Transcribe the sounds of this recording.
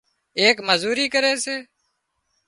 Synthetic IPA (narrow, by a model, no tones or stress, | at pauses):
eːkməzuːɾiːkəɾeːseː